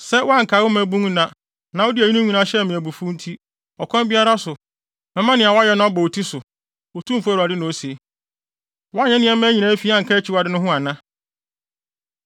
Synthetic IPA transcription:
sɛ˦wa˦ŋ̩˨kʰa˨˦wʊ˦mæ̃˦bũ˦ŋ˦nã˦ | nã˨˦ɔ˦dɪ˦æ˨i˦nũ˦ɲũ˨nã˦ɕɛ˦˨mɪ̃˨æ˨bu˨fũ˦n̩˦tʰi˦ | ɔ˨kʰɔ̃˦m˦bɪ˦a˦ɾa˦sʊ˨ | mɛ̃˦mã˦nɪ̃˨a˨wjɛ˦nã˦ɔ˦bɔ˨o˨tʰi˦sʊ˨ | o˨tʰũ˦m̩˨fæ˦˨ɾa˨dɪ˦nʊ̃˨o˦se˨ | wɔ˦a˦ɲɛ̃˦nɪ̃˦ɛ̃˦mæ̃˦ɲĩ˨nã˦fi˨˦ã˦ŋ̩˨kʰa˦t͡ɕʰi˦wa˨dɪ˦nʊ̃˦ɦʊ̃˦a˨nã˦

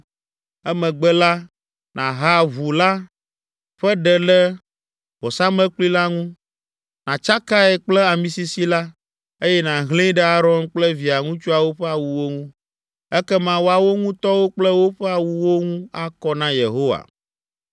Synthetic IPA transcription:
ɛ˦mɛ̃˨ɡ͡bɛ˦la˦ | nã̰˨ɦa˦vu˨la˦ | ɸɛ˦ɖɛ˨lɛ˦ | bɔ˨sa˦mɛ̃˦k͡pli˦la˦ŋũ˦ | nã˨t͡ʃa˦ka˦ɛ˨k͡plɛ˦a˨mĩ˨si˦si˦la˦ | e˦jɛ˦nã˨ɦlĩ˦ɖɛ˦a˦ɾɔ˦nk͡plɛ˦vi˨a˨ŋũ˦t͡ʃu˦a˨wo˦ɸɛ˦a˨wu˨wo˦ŋũ˦ | ɛ˦kɛ˦mã˦wo˦a˨wo˦ŋũ˦t̪ɔ˦wo˦k͡plɛ˦wo˦ɸɛ˦a˨wu˨wo˦ŋũ˦a˦kɔ˦nã˦jḛ˨ɦo˦wa̰˨

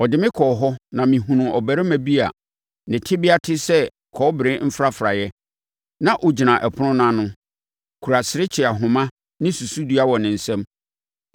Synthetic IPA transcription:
ɔ˨dɪ˨mɪ̃˦kʰɔ˨ɦɔ˦nã˨mĩ˨ɦũ˨nũ˨ʔɔ˨bæ˨ɾɪ˦mæ̃˨bi˦a̰˨ | nɪ̃˨tʰɪ˦bɪ˦a˦tʰɪ˦sɛ˦ | kʰɔː˨˦bɾɪ̃˦m̩˦fɾa˦fɾa̰˨jɛ˦ | nã˦ʔʊ˨d͡ʑi˨nã˨ʔɛ˨pʰʊ˦nʊ̃˦nã˦nʊ̃˦ | kʰu˨ɾa˨sɪ˨ɾɪ˦t͡ɕʰɪ˨a˨ɦʊ̃˨mã˦ | nɪ̃˦su˨su˦du˦a˦wɔ˨nɪ̃˨n̩˨sɛ̃˦m

